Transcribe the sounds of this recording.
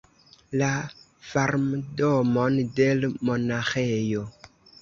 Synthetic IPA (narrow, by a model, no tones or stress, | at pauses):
la | faɾmdɔmɔndelmonaxejo